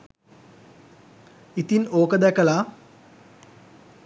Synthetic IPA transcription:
it̪inoːkəd̪ɛkəla

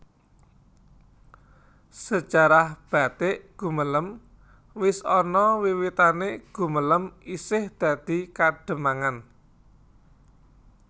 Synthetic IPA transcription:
sət͡ʃaɾahb̥a̤t̪eʔɡ̥ṳmələm | wɪsɔnɔwiwit̪aneɡ̥ṳmələmisɪhd̪̥ä̤d̪̥i̤kaɖ̥ə̤maŋan

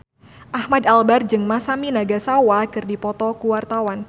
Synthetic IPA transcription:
ʔahmadalbard͡ʒɨŋmasaminaɡasawakɨrdipɔt̪ɔkuwart̪awan

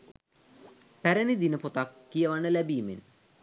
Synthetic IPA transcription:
pæɾenid̪inəpot̪akːijəʋanəlæbiːmḛn

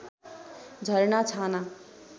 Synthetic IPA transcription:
d͡zʱʌɾɳat͡sʰana

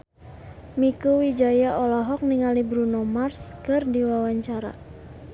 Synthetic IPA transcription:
mikuwid͡ʒajaʔɔlaɦɔk̚niŋalibɾunɔmarskɨrdiwawaɲt͡ʃaɾa̰

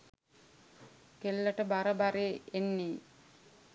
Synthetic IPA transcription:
kelːəʈəbaɾəbaɾeːnːe

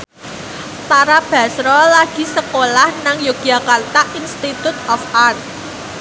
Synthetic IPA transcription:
t̪aɾab̥ä̤sɾɔlaɡ̥i̤səkolahnaŋjoɡ̥iakant̪aʔinst̪it̪ut̪̚ɔfʔan

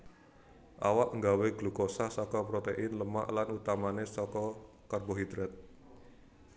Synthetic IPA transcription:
ʔawaʔŋɡaweɡ̥lukosahsɔkɔpɾot̪eʔɪnləma̰ʔlanut̪amanesɔkɔ | karboɦid̪ɾɛt̪̚

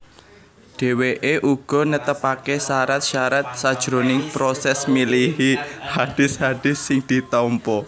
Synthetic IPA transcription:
ɖ̥e̤weʔeʔuɡ̥ɔ̤nət̪əpakesaɾat̪̚ʃaɾat̪̚sad̥ʒ̥ɾonɪŋpɾɔsɛsmilihihad̥ɪ̤shaɖ̥ɪ̤sːɪŋd̪̥i̤t̪ɔmpɔ

